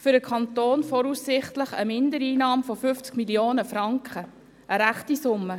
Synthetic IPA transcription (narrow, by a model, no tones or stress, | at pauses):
fʏɾəkʰɑntoːnfɔɾuːssɪχtləχə̰mɪndəɾiːnɑːmfɔfʏft͡skmiljoːnəfɾɑŋkχə | ʔəɾæχtisʊmːə